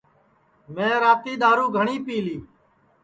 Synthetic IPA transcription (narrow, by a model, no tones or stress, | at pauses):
mẽːɾaːt̪iːɗ̪aːɾũːɡʱəɳiːpiːliː